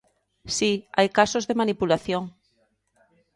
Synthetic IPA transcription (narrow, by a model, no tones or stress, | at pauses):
siajkasozðemanipulaθjoŋ